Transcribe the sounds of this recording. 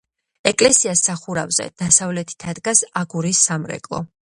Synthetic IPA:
ɛkʼlɛsiasaχuɾa̰vzɛ̰d̪̥asavlɛt̪ʰi̥t̪ʰad̪ɡasaɡuɾisːamɾɛ̰kʼlˠɔ̰

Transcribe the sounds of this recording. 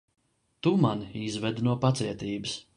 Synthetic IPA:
t̪umanizvɛd̪nuɔpat̪siɛt̪iːbɨs

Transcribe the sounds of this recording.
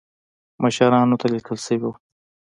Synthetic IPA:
məʃaɾɑnot̪alikʰəlsəwio

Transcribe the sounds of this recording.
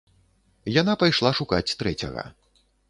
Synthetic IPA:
janapajʂlˠaʂukat͡sʲt̪ɾɛt͡sʲɐ̰ɣɐ̰

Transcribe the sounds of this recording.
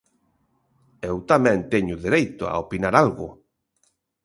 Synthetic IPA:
ewt̪amɛ̃nt̪ɛɲʊðeɾejt̪ʊa̰opinaɾalɣʊ̰

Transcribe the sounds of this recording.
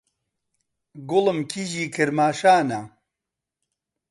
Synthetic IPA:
ɡʊlɨmkʰiʒiːkʰɨɾmaːʃaːna

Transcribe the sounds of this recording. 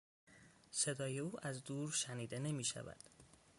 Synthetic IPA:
se̞d̪ɒːje̞uːʔæzd̪uːɾʃæniːd̪e̞ne̞miːʃæ̰væ̰d̪̥

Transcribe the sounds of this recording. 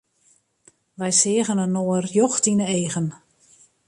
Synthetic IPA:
ʋɛjsɪəɣənənoərjɔxtinəeːɣən

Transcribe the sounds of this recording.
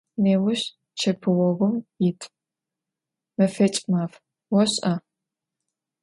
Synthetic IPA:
neːwʊɕ | t͡ʃʰɐpʰɨwɔɣʷʊmjɪtʰʼ | mɐfet͡ʃʼmaːf | wɔɕʼɐ

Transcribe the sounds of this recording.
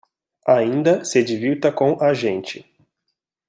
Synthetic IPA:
aĩnd̪ɐsed͡ʒiviwt̪ɐkõʔaʒẽnt͡ʃɪ

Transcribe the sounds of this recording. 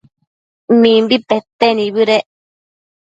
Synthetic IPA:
mĩmbipet̪enĩβɯɾeʔ

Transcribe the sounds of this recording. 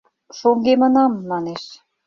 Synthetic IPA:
ʃoŋɡemə̆nɑmːɑneʃ

